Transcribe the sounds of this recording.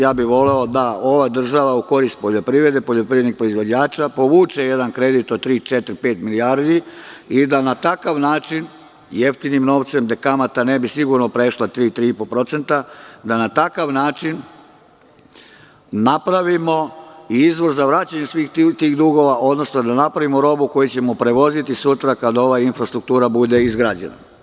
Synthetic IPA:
jaːbiʋo̞le̞od̪ao̞ʋad̪r̩ʒaʋauko̞ɾist̪̚po̞ʎo̞pɾiʋɾe̞d̪epoʎopɾiʋɾed̪nixpɾoizʋo̞d͡ʑaːt͡ʃapo̞ʋuːt͡ʃeje̞d̪ankɾe̞d̪it̪ot̪ɾiːt͡ʃet̪ɾipeːt̪miliaɾd̪iid̪anat̪akaʋnaːt͡ʃin | je̞ft̪inimno̞ʋt̪se̞md̪e̞kamat̪ane̞bisiɡuɾno̞pɾe̞ʃlat̪ɾiːt̪ɾiːipolpɾo̞t̪se̞nt̪ad̪anat̪akaʋnaːt͡ʃin | napɾaʋimo̞iizʋo̞ɾzaʋɾaːt͡ɕaɲe̞sʋiːxt̪iːɣd̪uɡo̞ʋaʔo̞d̪no̞snod̪anapɾaʋimoɾo̞buko̞jut͡ɕe̞mo̞pɾe̞ʋo̞zit̪isut̪ɾakad̪ao̞ʋainfɾast̪ɾuk̚t̪uːɾabud̪e̞izɡɾaːd͡ʑḛna̰

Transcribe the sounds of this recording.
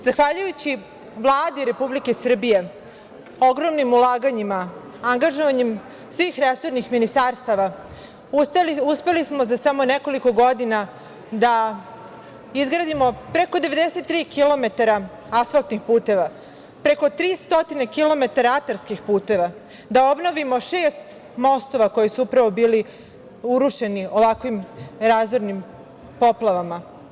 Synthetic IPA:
zaxʋaʎujut͡ɕi | ʋlˠaːd̪iɾe̞publikesr̩bije̞ | oɡɾo̞mnimulaːɡaɲima | aŋɡaʒoʋaɲem | sʋiːxɾesoɾnixminist̪aɾst̪aʋa | uspe̞lismozasamo̞neko̞liko̞ɡo̞d̪ina | d̪a | izɡɾad̪imopɾe̞ko̞d̪e̞ʋe̞d̪ese̞t̪ːɾiːkilo̞me̞t̪aɾa | asfalˠt̪nixpuːt̪e̞ʋa | pɾe̞ko̞t̪ɾiːst̪o̞t̪inekilo̞me̞t̪aɾaat̪aɾskixpuːt̪e̞ʋa | d̪ao̞bno̞ʋimo̞ʃe̞ːst̪ | mo̞st̪o̞ʋako̞jisuupɾaʋo̞biːli | uɾuʃe̞nio̞ʋakʋimɾazoɾnim | po̞plˠaʋama

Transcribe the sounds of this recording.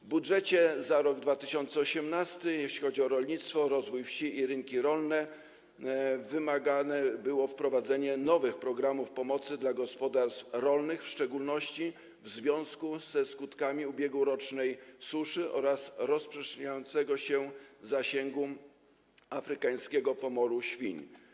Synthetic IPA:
vbudʐɛt͡ɕɛzaɾɔɡd̪vat̪ɘɕɔnt̪sɛɔɕɛmnast̪ɘjeɕlʲixɔd͡ʑiɔɾɔlɲit̪st̪fɔɾɔzvujfɕiiɾɘŋkʲiɾɔlnɛ | vɘmaɡanɛbɘwɔfpɾɔvad̪zɛɲɛnɔvɘxpɾɔɡɾamufpɔmɔt̪sɘd̪laɡɔspɔd̪aɾst̪fɾɔlnɘxfʂt͡ʂɛɡulnɔɕt͡ɕi | vzvʲjɔ̃w̃skuz̥ɛskut̪kamʲiubʲjeɡwuɾɔt͡ʂnɛjsuʂɘʔɔ̰ɾasɾɔspʂɛʂɲajɔnt̪sɛɡɔɕɛzaɕɛŋɡu | afɾɘkaj̃skʲɛɡɔpɔmɔɾuɕfʲḭɲ

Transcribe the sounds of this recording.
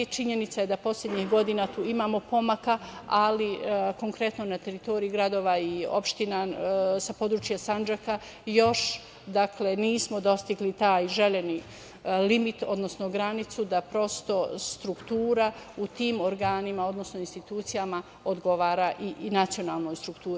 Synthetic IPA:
t͡ʃiɲe̞nit̪sajed̪apo̞slʎʲe̞d̪ɲixɡo̞d̪inat̪uːimaːmo̞po̞makaaliko̞ŋkɾe̞t̪nonat̪e̞ɾit̪o̞ɾiiɡɾad̪o̞ːʋaio̞̰pʃt̪inasapo̞d̪ɾuːt͡ʃjasand͡ʒaka | jo̞ʃ | d̪akle̞niːsmo̞d̪o̞st̪iɡlit̪aːjʒe̞leni | limit̪o̞d̪no̞snoɡɾanit̪sud̪apɾo̞st̪o̞st̪ɾukt̪uːɾaut̪iːmo̞ɾɡaːnimao̞d̪no̞snoinst̪it̪uːt̪sijama | od̪ɡo̞ʋaːɾaʔinat̪sio̞naːlˠno̞ːjst̪ɾukt̪uːɾi

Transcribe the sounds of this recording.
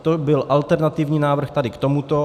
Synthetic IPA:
t̪obɪlʔalt̪ɛɾnat̪ɪvɲiːnaːvr̩xt̪adɪkt̪omut̪o

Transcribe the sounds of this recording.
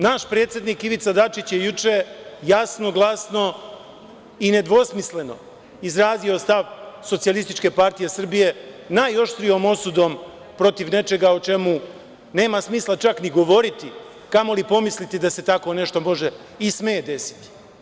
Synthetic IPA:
naʃpɾe̞ːt̪sjed̪nikiʋit̪sad̪at͡ʃit͡ɕjejut͡ʂe̞jasno̞ɡlˠasno̞ | ine̞d̪ʋo̞smisle̞no̞̰ | izɾaːzio̞st̪aʋso̞t̪sialˠist̪it͡ʃke̞paɾt̪ije̞sr̩bije̞najo̞ʃt̪ɾio̞ːmo̞sud̪o̞ːm | pɾo̞t̪iʋne̞t͡ʃe̞ɡaot͡ʃe̞mu | ne̞ːmasmiːslˠat͡ʃakniɡo̞ʋo̞ɾit̪i | kamo̞lipo̞mislit̪id̪ase̞t̪ako̞ːne̞ʃt̪omo̞ʒe̞ | ismeed̪e̞si̥t̪i̥

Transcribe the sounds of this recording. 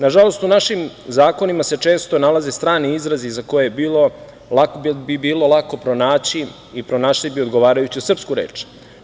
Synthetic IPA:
naʒalo̞st̪unaʃimzaːko̞nimase̞t͡ʃe̞ːst̪o̞nalaze̞st̪ɾaːniizɾazizako̞jejebiːlˠo̞ | lakbbibiːlo̞lˠako̞pɾo̞naːt͡ɕi | ipɾo̞naːʃlibio̞d̪ɡoʋaːɾajut͡ɕiosr̩pskuɾḛːt͡ʃ

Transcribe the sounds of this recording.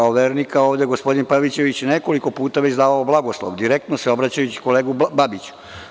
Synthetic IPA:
aoʋeːɾnikaoːʋd̪eɡospo̞d̪inpaʋit͡ɕe̞ʋit͡ɕjeneko̞liko̞puːt̪aʋe̞zd̪aːʋaoblˠaɡoslˠo̰ʋd̪iɾekt̪noseo̞bɾat͡ɕajut͡ɕi̥ko̞leːɡubabit͡ɕu̥

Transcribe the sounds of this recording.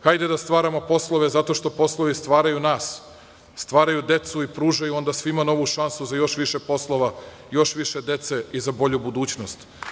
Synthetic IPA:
xajd̪ed̪ast̪ʋaːɾamo̞po̞slˠo̞ʋe̞zat̪o̞ʃt̪o̞po̞slˠoʋist̪ʋaːɾajunaːsː | t̪ʋaːɾajud̪e̞t̪suipɾuːʒajuo̞nd̪asʋimano̞ʋuʃansuzajo̞ʃʋiʃepo̞slˠoʋa | jo̞ʃʋiʃe̞d̪e̞t̪seizabo̞ʎubud̪uːt͡ɕnost̪

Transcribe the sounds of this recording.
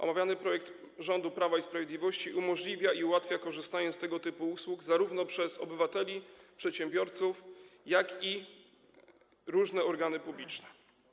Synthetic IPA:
ʔɔ̰mavʲjanɘpɾɔjɛk̚t̪ | ʐɔnd̪upɾavaispɾavʲjed̪lʲivɔɕt͡ɕiʔumɔʐlʲivʲjaʔiuwat̪fʲjakɔʐɘst̪aɲɛst̪ɛɡɔt̪ɘpuuswuɡzaɾuvnɔpʂɛzɔ̰bɘvat̪ɛlʲipʂɛt̪ɕɛmbʲjɔɾt̪sufjaki | ɾuʐnɛɔɾɡanɘpublʲit͡ʂnɛ̥

